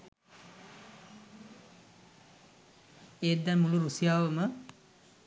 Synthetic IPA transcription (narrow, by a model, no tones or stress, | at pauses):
eːt̪d̪ːɛnmuluɾusijaːʋəmə